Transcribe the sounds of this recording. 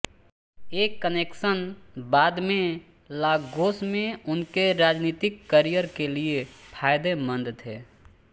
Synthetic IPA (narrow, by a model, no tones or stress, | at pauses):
eːkːəneːkʃənbaːd̪mẽ | laːɡɡoːsmẽʊnkeɾaːd͡ʒniːt̪ɪkːəɾijəɾkeliepʰaːɪd̪emə̃nd̪t̪ʰeː